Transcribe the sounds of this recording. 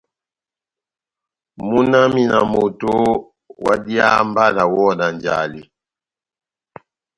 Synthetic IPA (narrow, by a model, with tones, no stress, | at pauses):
mu˦na˦mi˦na˨mo˨to˦ | wa̰˦di˦a̰˦mba˦na˨wɔ˦na˨nd͡ʒa̰˨li˨